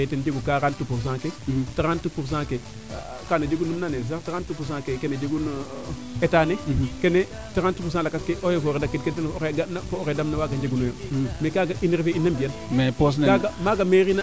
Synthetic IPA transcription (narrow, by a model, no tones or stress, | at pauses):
etend͡ʒeɡukaɾantupuɾs̬ãːketaɾantupuɾs̬ãːke | kanad͡ʒeɡunːumnanes̬aɾtaɾantupuɾs̬ãːkekened͡ʒeɡun | etaːnekene | taɾantupus̬ãlakaskeʔojofoːɾedakːetktenoɾeɡanafooɾedamnawaːɡand͡ʒeɡunojomekaɡaʔinɾifeinːambijanmepos̬nkaɡamaɡameɾina